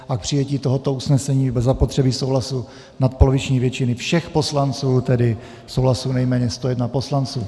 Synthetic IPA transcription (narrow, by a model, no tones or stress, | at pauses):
ʔak̚pr̝̥ɪjɛciːt̪o̞ɦo̞t̪o̞usnɛsɛɲiːbɛzapot̪r̝̥ɛbiso̞wɦlasu | nat̪̚polovɪt͡ʃɲiːvjɛt͡ʃɪnɪfʃɛxpo̞slant͡suːt̪ɛdɪ | so̞wɦlasunɛjmɛːɲɛst̪ojɛdnapo̞slant͡sṵː